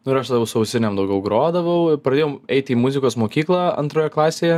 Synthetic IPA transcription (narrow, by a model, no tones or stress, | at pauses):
nʊɪɾɐʃt̪ɐd̪ɐʋɐʊsʊɐʊsʲɪnʲɛmd̪ɐʊɡʲɛʊɡɾoːd̪ɐʋɐʊɪpɾɐd̪ʲeːjɛɛɪt̪ʲiːmʊzʲɪkoːsmoːkʲiːklˠɑɐ̰nt̪ɾoːjɛklˠɑːsʲeːjɛ